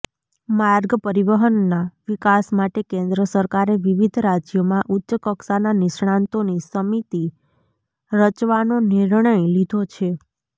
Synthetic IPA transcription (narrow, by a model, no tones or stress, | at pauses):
maɾɡəpəɾiʋəɦənːaʋikasmaʈekẽnd̪ɾəsəɾkaɾeʋiʋid̪ʱɾad͡ʒjomãʔutːʃəkəksananɪʃɳãnt̪onisəmit̪i | ɾət͡ʃʋanoniɾɳəjlid̪ʱot͡ʃʰe